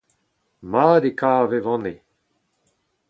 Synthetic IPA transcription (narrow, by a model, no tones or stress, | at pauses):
maːd̪ekaːvevɔ̃ne